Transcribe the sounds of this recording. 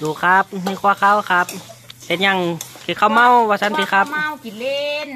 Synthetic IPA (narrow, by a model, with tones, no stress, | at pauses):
duː˨˩kʰa˧˦˥p̚nɯː˧˩kʰu˧kʰa˧˩wkʰa˧˦˥p̚se˨˧˩ɲa˧˩˨ŋkʰɯː˧˩kʰa˧˩wma˧˩˨wwaː˧˩sa˧˥nt̪iː˧˩kʰa˧˦˥p̚ | n